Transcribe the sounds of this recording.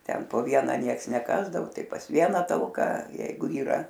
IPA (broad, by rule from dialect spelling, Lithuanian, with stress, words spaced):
ˈtʲɛn poː ˈʋʲiɛnɐ ˈnʲiɛks nʲɛˈkɑːzdɐʋʊ ˈtɐɪ pɐs ˈʋʲiɛnɐ tɐlˠˈkɐ ˈjɛɪɡʊ iːˈrɐ